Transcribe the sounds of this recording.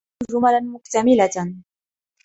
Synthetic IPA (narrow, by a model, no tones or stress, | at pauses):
ʒʊmalanmʊkt̪amilat̪an